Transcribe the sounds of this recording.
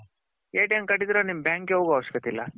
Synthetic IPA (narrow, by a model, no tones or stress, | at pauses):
eːʈɐŋkɐʈːid̪iɾoːnimbjaːŋkeoːɡuɐʋʂkɐt̪ilːɐ̰